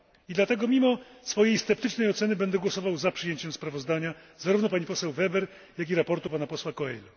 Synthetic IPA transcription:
id̪lat̪ɛɡɔmʲimɔsfɔjejst̪ɛpt̪ɘt͡ʂnɛjɔt̪sɛnɘbɛnd̪ɛɡwɔsɔvawzapʂɘjeɲt͡ɕɛmspɾavɔzd̪aɲa | zaɾuvnɔpaɲipɔsɛwvɛbɛɾ | jak̬iɾapɔɾt̪upanapɔswakɔɛjlu

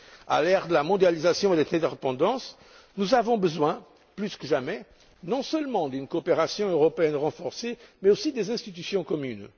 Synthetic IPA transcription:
a̰lɛʁd̪əlamɔ̃d̪jalizasjɔ̃ed̪ɛzɛ̃d̪eʁepɑ̃d̪ɑ̃s | nuzavɔ̃bəzwɛ̃ | plyskəʒamɛ | nɔ̃sœlmɑ̃d̪ynkoːpeʁasjɔ̃øʁɔpeɛnʁɑ̃fɔʁsemɛosid̪ezɛ̃st̪it̪̬ysjɔ̃kɔmyn

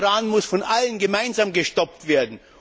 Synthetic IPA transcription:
ʁaːnmʊsfɔnʔalənɡəmaɪnzaːmɡəʃtɔp̚tv̥eːɐdn̩

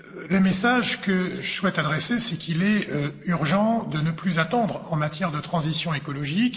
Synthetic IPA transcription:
ləmesaʒkəʒəswɛt̪ad̪ʁɛsesɛkʰilɛøyʁʒɑ̃d̪ənəplyzat̪ɑ̃d̪ʁɑ̃mat̪jɛʁd̪ət̪χɑ̃zisjɔ̃ekɔlɔʒik

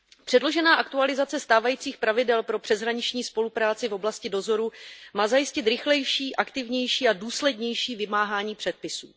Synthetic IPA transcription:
pr̥ɛdlo̞ʒɛnaːʔakt̪ualɪzat͡sɛst̪aːvajiːt͡siːxpɾavɪdɛlpɾo̞pr̝̥ɛzɦɾaɲɪt͡ʃɲiːspo̞lupɾaːt͡sɪvo̞blascɪdo̞zo̞ɾumaːzajɪscɪt̪ɾɪxlɛjʃiːʔakt̪ɪvɲɛjʃiːʔaduːslɛdɲɛjʃiːvɪmaːɦaːɲiːpr̥ɛt̪̚pɪsṵː

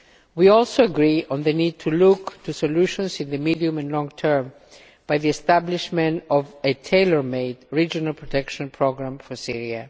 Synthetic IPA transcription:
wiɔlˠsoəɡɹiɔ̃nðɨnid̚tʰuluktʰusoluʃɔ̃nsɪ̃nðɨmidiũmɨ̃nlɔ̃ŋtʰɜ˞m | b̥ajðiɛstæbliʃmɛ̃ntɔvɨtʰeɪlə˞meɪdɹid͡ʒɔnalpʰɹɔtʰɛkʃɔ̃npʰɹoɡɹãmfɔ˞siɹia

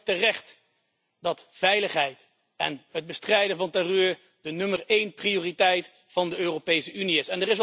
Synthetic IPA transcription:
tərɛχt | dɑtfɛjləχɦɛjt | ɛ̰nɦəd̚bəstrɛjdəvɑntarøːɹ | dənɵmərejnprioːritɛjt | fɑndəøːropejsəyniɪsɛndərɪs̬

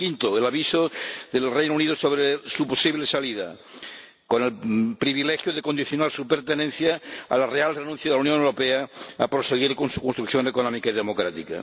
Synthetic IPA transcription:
kint̪oelaβisoðelrejnouniðosoβɾesuposiβlesaliða̰ | konelpɾiβilexjoðekond̪iθjonaɾsupeɾt̪enẽn̟θjaa̰larealrenũn̟θjaðelaunjonewɾo̞peaa̰pɾoseɣ̞iɾkonsukonst̪ɾukθjo̞nekonɔ̃mikaiðemokɾat̪ika̰

